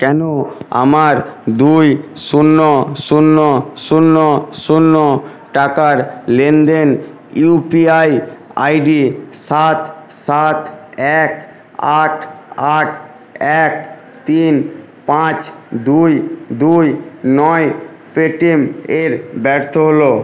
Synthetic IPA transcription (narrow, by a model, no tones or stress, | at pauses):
kɛnoa̰maɾd̪ujsunːosunːosunːosunːo | ʈakaɾlend̪en | upiaja̰jɖisat̪ | sat̪ɛk | aʈʰaʈ̚ʰ | ɛk̚ | t̪in | pãt͡ɕd̪ujd̪ujnɔe | peʈimeɾbɛɾt̪ʰoɦolo